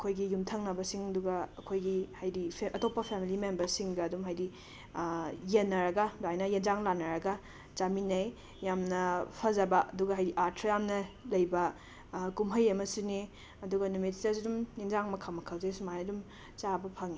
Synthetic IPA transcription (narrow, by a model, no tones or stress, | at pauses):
ɐkʰojɡijumtʰɐŋnɐbɐsiŋɐduɡɐːkʰojɡihajdiɐtopːɐpʰemilimembɐɾsiŋɡɐːdumɦajdi | jenːɐɾɐɡɐdajnɐjend͡ʒaŋlanːɐɾɐɡɐ | d͡ʒaminɐj | jamnɐpʰɐzɐbɐɐduɡɐɦajɾiʔaɾtʰɾɐjamnɐlɐjbɐ | kumɦɐjɐmɐsune | ɐduɡɐnumittazidumjenzaŋmɐkʰamɐkʰɐlzesumajɐdum | t͡ʃabɐpʰɐŋi